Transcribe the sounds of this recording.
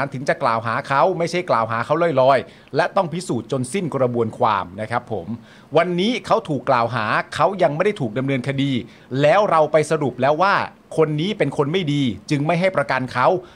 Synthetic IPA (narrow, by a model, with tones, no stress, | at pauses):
nt̪ʰɯ˩˦ŋt͡ɕa˨˩klaː˨˩wɦaː˩˦kʰa˦˥wma˥˩jt͡ɕʰa˥˩jklaː˨˩wɦaː˩˦kʰa˦˥wlɔ˥˩jlɔː˧j | lɛ˦˥t̪ɔ˥˩ŋpʰi˦˥suː˨˩t̪̚t͡ɕo˧nsi˥˩nkɾa˧bu˧ənkʰwa̰ː˧mna˦˥kʰa˦˥pʰːo˩˦m | wa˧nːiː˦˥kʰa˦˥wt̪ʰuː˨˩kːlaː˨˩wɦaː˩˦kʰa˦˥wja˧ŋma˥˩jda˥˩jt̪ʰuː˨˩k̚da˧mnɤː˧nkʰa˧diː˧ | lɛː˦˥wɾa˧wpa˧jsa˧ɾu˨˩p̚lɛː˦˥waː˥˩ | kʰo˧nːiː˦˥pe˧nkʰo˧nma˥˩jdiː˧t͡ɕɯ˧ŋma˥˩jɦa˥˩jpɾa˧ka˧nkʰa˦˥w